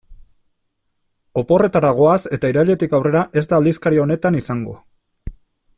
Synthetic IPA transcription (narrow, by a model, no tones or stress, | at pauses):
o̞po̞re̞t̪aɾaɣ̞o̞ase̞t̪aiɾaʎe̞t̪ikawre̞ɾaʔe̞zd̪aːld̪iskaɾione̞t̪anisaŋɡo̞̰